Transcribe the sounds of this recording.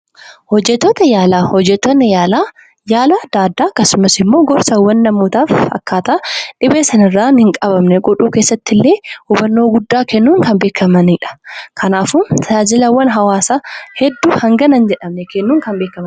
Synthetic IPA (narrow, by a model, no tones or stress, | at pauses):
hɔd͡ʒːɛt̪ːoːt̪ɐjaːlaːhɔd͡ʒːɛt̪ːɔnːɪjaːlaː | jaːlad̪aːd̪ːaːɐkːɐsʊmɐsɪmːoːɡɔɾsɐwːɐnːɐmuːt̪aːfɐ̰kːaːt̪ɐʔɐᶑɪbeːsɐnɪrːaːnhɪŋkʼɐbɐmnɛɡɔᶑuːkeːsːɐt̪ːɪlːe̞ːuːbɐnːo̞ːɡʊd̪ːaːkɛnːuːŋkɐmbe̞ːkʰːɐmɐniᶑɐ̥kʰɐnaːfʊmt̪ʰɐd͡ʒaːd͡ʒɪlɐwɐnɦɐwaːsaːhɛd̪ːuːhɐŋɡɐnɐnd͡ʒɛᶑɐmnɛkɛnːuːŋkɐmbeːkːɐmɐn